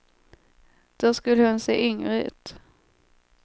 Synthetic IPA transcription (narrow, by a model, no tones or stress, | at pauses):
d̪̥æːʂkɵlːəhɵnsḛːʔʏŋɾəʉ̟̰ːt̪